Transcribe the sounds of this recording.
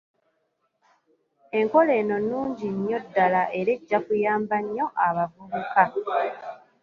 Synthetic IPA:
e̞ŋko̞le̞ːno̞nuːɲɟiɲjo̞dːalaʔe̞ɾe̞ɟːakujaːmbaɲːo̞ʔaβavuβuka

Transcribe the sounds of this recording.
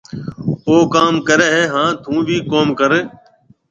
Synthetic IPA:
oːkaːmkəɾeːɦeːɦãːt̪ʰũːbʱiːkoːmkəɾeː

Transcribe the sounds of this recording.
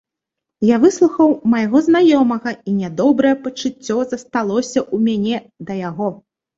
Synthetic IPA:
javɨslˠuxɐwmɐjaɣɔznajɔmɐɣɐinʲɛd̪ɔbɾɐjɛpɐt͡ʂut͡sʲːɔzɐst̪alˠɔsʲɐʔumʲanʲɛ | d̪ɐjaɣɔ

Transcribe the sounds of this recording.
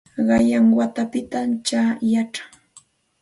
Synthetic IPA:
ɢɑjaŋwat̪apɪt̪amt͡ʃajaʈ͡ʂḁŋ

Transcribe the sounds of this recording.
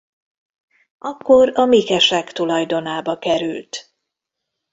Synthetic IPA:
ɒkːo̞ɾɒmikɛʃɛkt̪ulɒjd̪o̞naːbɒkɛɾylt̪

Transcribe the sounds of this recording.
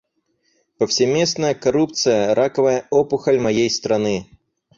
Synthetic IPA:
pəfsʲɪmʲesnəjəkɐɾup̚t̪sɨjəɾʔakəvəjəɔpʊxəlʲmɐjejst̪ɾɐnɨ

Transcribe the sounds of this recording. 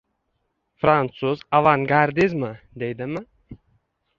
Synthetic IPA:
fɾant̪suzavaŋɡaɾd̪izmɪ | d̪ejd̪ɪmɪ

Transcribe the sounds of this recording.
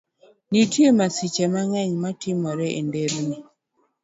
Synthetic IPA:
nitjemasit͡ʃemaŋɛɲmatɪmɔɾɛʔḛndeɾni

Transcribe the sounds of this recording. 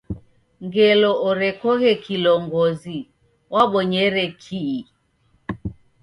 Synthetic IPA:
ŋɡɛlɔʔɔɾɛkɔɣɛkilɔŋɡɔzi | waɓɔɲɛɾɛkʰi

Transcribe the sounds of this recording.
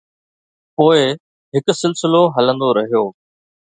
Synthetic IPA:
poːɪ | ɦɪkʊsɪlsɪloɦɐlə̃nd̪oɾɐɦijoː

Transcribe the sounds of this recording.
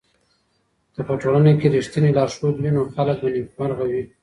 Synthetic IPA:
d̪̥əpəʈolanekeɾiʃt̪inilɑɾʃod̪winoxalək̚banikmaɾɣawi

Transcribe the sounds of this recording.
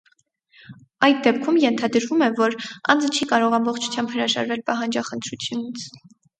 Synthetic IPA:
ɑjt̪̚d̪ɛpkʰumjɛnt̪ʰɑd̪əɾvumɛvɔɾɑ̰nd͡zət͡ʃʰikɑɾɔʁɑmbɔχt͡ʃʰu̥t͡sʰjɑmbhəɾɑʒɑ̰ɾvɛlpɑɦɑnd͡ʒɑχənt̪ʰɾut͡sʰjunit͡sʰ

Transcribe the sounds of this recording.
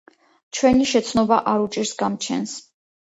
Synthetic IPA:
t͡ʃʰwɛniʃɛt̪sʰnɔbaʔaɾut͡ʃʼiɾsɡamt͡ʃʰɛ̰ns

